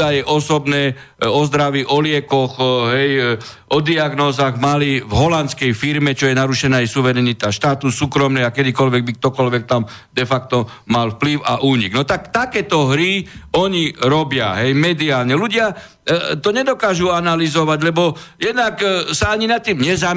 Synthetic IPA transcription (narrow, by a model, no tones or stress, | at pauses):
ajɛʔɔsɔbnɛː | ɔzd̪ɾaʋiʔɔlɪɛkɔɣɦɛj | ʔɔd̪iaɡnɔːzaːɣmalivɦɔlant̪t͡skɛjfiɾmɛt͡ʃɔjɛnaɾuʃɛnaːajsuʋɛɾɛnit̪aʃt̪aːt̪usuːkɾɔmnɛakɛd̪ikɔlʋɛɡ̚bik̚t̪ɔkɔlʋɛk̚t̪am | d̪ɛfak̚t̪ɔ | malfpliʊa̰ʔuːɲiɡnɔt̪akt̪akɛːt̪ɔɦɾiɔɲiɾɔbɪa̰ɦɛjmɛd̪iaːlɲɛluɟɪa | t̪ɔɲɛd̪ɔkaːʒuanalizɔʋaɟlɛbɔjɛd̪naksaaɲinat̪ːiːmɲɛza